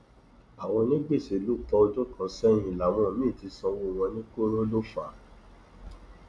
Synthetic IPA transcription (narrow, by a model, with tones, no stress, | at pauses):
a˨w̃ɔ̃˧nĩ˦ɡ͡be˦˨se˨˦lu˦˨k͡pɔ˧o˧d͡ʒo˦kã˨˧˦sɛ˦j̃ĩ˧˨la˨˦w̃ɔ̃˧˨mĩ˦˨ti˧sɔ˧wo˦˨w̃ɔ̃˧nĩ˦ko˦ɾo˦lo˦fa˨˦